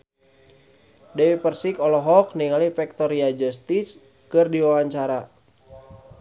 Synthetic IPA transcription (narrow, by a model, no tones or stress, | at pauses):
dɛwipərsikɔlɔɦɔk̚niŋalifɛk̚t̪ɔɾiad͡ʒɔst̪is | kɨrdiwawaɲt͡ʃaɾa